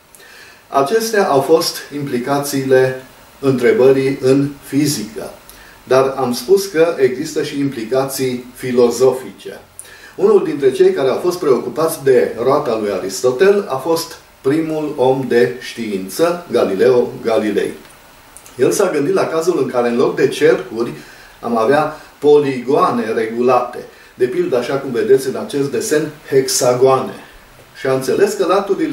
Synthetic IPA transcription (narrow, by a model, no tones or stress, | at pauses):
a̰t͡ʃe̞st̪eaʔawfo̞st̪implikat̪siːle̞ | ɨnt̪ɾe̞bəɾiɨnfizikə̰ | d̪aramspuskəʔe̞ɡzist̪əʃiːmplikat̪sijfilo̞zo̞fit͡ʃe̞̰ | unuld̪int̪ɾe̞t͡ʃe̞jkaɾe̞awfo̞st̪̚pɾe̞o̞kupat̪sʲd̪e̞roat̪alujaɾist̪o̞t̪e̞la̰fo̞st̪ | pɾimulo̞md̪e̞ʃt̪iint̪səɡalile̞oɡalilḛj | je̞lsaɡɨnd̪it̪lakazulɨŋkaɾe̞ɨnlo̞kd̪e̞t͡ʃe̞rkurʲ | a̰maveapo̞liɡoane̞re̞ɡulat̪e̞ | d̪e̞pild̪əaʃakumve̞d̪e̞t̪sʲɨnat͡ʃe̞st̪̚d̪e̞se̞nhe̞ksaɡoane̞̰ | ʃiaɨnt̪se̞le̞skəlat̪uɾil